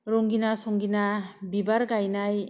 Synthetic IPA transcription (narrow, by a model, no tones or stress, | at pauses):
ɾɔŋɡinasɔŋɡinabibaɾɡajnaj